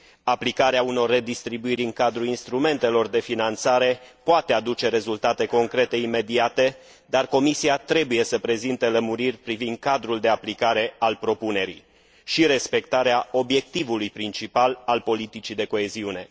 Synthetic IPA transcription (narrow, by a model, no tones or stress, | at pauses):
aplikaɾeauno̞rːe̞d̪ist̪ɾibuiɾʲɨŋkad̪ɾuinst̪ɾume̞nt̪e̞lo̞rd̪e̞finant̪saɾe̞poat̪e̞ad̪ut͡ʃe̞ɾe̞zult̪at̪e̞ko̞ŋkɾe̞t̪e̞ime̞d̪iat̪e̞ | d̪arko̞misiat̪ɾe̞buje̞səpɾe̞zint̪ələmuɾirʲpɾivind̪̚kad̪ɾuld̪e̞aplikaɾe̞alpɾo̞pune̞ɾḭ | ʃiɾe̞spe̞kt̪aɾeao̞bje̞k̚t̪ivulujpɾint͡ʃipalalpo̞lit̪it͡ʃid̪e̞ko̞e̞ziune̞